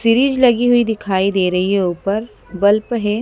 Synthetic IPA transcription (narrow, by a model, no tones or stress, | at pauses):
sɪɾiːd͡ʒlɐɡiɦʊid̪ɪkʰaːid̪eːɾɐɦieʊːpəɾ | bɐlpɦeː